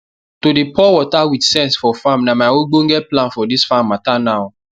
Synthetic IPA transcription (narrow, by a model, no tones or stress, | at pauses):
todepʰɔwɔtawitsɛ̃nsfɔfãmnamaɪoɡ͡bõŋɡɛplãnfɔdisfãmːatanaʊ